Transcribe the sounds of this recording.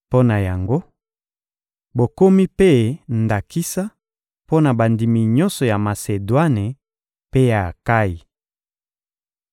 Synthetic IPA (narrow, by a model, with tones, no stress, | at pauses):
po˦na˨ja˨ŋɡo˦ | bo˨ko˦mi˦pe˦nda˨ki˦sa˦ | po˦na˨ba˨ndi˨mi˨ɲɔ̃˦nsɔ˨ja˨ma˨se˨dwa˦ne˨ | pe˦ja˨ka˦ji˨